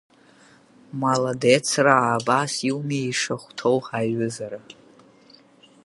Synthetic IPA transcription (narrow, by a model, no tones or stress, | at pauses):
maladet͡sʰraaːbasiwmiiʂaχʷtʰowħaɥɨzaɾa